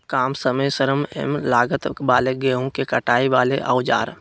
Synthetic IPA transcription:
kaːmsəməjsəɾəmɛ̰mlaːɡət̪baːleɡeːõkekɐʈʰaːiʋaːleʔa̰ʊd͡ʒa̰ːɾ

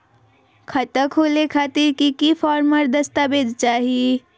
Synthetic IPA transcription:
kʰət̪əkɦolekʰat̪iɾkikipʰaɾməɾd̪əst̪abed͡ʒt͡ʃaɦi

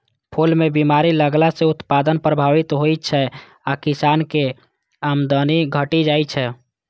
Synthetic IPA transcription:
pʰolmebimaɾiləɡlaseut̪pad̪ənpɾəbʱaʋit̪ɦojt͡ʃʰɛ | akisanke | amd̪əniɡʱəʈid͡ʒajt͡ʃʰɛ

